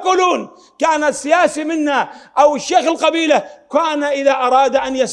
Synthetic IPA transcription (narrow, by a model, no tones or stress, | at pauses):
quːluːn | kaːnasːɪjaːsimɪnːaʔawɪʃːaːxɪlqɑbiːlakaːnaʔɪðaʔɑɾˤɑːd̪ʔanjas